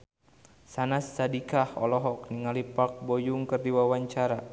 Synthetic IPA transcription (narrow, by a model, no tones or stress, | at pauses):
sanasːadikahɔ̰lɔɦɔk̚niŋalipak̚bɔjuŋkərdiwawaɲt͡ʃaɾa